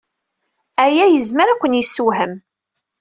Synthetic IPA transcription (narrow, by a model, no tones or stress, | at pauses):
æjæjəzməɾækʷːənjəsːuɦəm